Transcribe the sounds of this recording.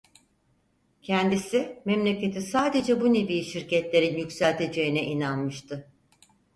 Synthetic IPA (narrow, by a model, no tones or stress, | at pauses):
cʰɛnd̪isimɛmlʲe̞ce̞t̪ʰisaːd̪e̞d͡ʒɛbune̞viːʃiɾcɛt̪lʲe̞ɾinjycsælʲt̪ʰe̞d͡ʒe̞jinɛʔinanmɯʃt̪ʰɯ